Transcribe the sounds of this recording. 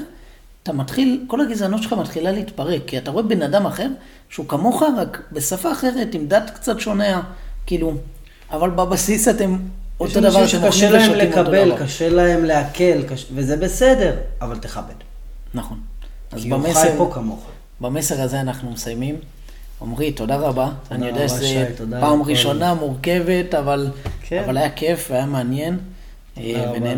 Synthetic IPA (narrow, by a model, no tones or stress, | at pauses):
t̪amatχilko̞laɡizanotʃelχamat̪χilaleitpaʁe̞kːiataʁo̞e̞benadamaχe̞ʁ | ʃeukamo̞χaʁakbe̞safaːχe̞ʁe̞timdatkt͡satʃo̞ne̞akiːlu | avalbabasisate̞mot̪odavaʁatemaʃeleaeomleimkaboelkaʃelaemleakʰelkaʃvezebesede̞ʁavalt̪eχabed | naχo̞n | azbamepokamoχ | bame̞se̞ʁazeanaχnumesajmim | o̰mʁito̞daʁabaːnijo̞deaʃezepaːmʁiʃʃo̞namuʁke̞ve̞tavalkavalajake̞fveajameanje̞n | benen